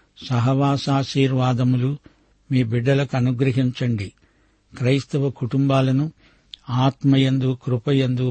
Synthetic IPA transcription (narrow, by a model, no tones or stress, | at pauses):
sɐɦɐʋaːsaːʃiːɾʋaːd̪ɐmulu | miːbiɖːɐlɐkuɐnuɡɾɐɦiɲt͡ʃɐɳɖi | kɾɐjst̪ɐʋɐkuʈumbaːlɐnu | aːt̪mɐjend̪ukɾupɐjend̪u